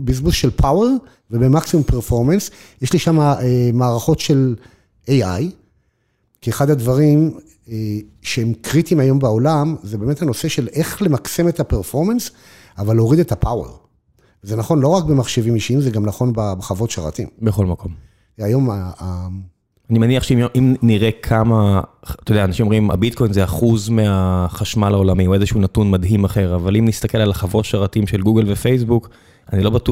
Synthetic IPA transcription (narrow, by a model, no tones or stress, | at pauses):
bizbusʃe̞lpʰawe̞ʁ | vebemaksimumpeʁfo̞ʁmens | jeʃliʃamaemaːʁaχo̞tʃe̞l | ʔejaj | kieχad̪had̪vaʁim | eʃehemkʁit̪imajo̞mbao̞lamzebeːme̞thano̞se̞ʃe̞le̞χle̞makse̞metapeʁfo̞ʁmens | avaleoʁid̪e̞t̪apawe̞̰ʁ | vezenaχo̞nlo̞ʁakbemaχʃevimjiʃiimzeɡamnaχo̞nbabeχavo̞tʃaʁa̰t̪imbeχo̞lmakʰo̞m | ajo̞maa | animaniaχʃeimniʁekʰamat̪ojdeaːnaʃimomima̰bit̚kʰo̞jnzeaχuzmeaχaʃmalaolamiue̞zeʃuunatunmadɦimaχe̞ʁavalimnist̪ake̞lalaχavo̞tʃaʁatimʃe̞lɡuɡelvefejs̬buk | anilo̞batu